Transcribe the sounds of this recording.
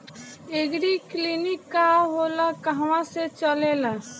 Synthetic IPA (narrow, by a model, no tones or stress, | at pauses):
eɡɾiklinikːaɦolakəɦwãset͡ʃəlela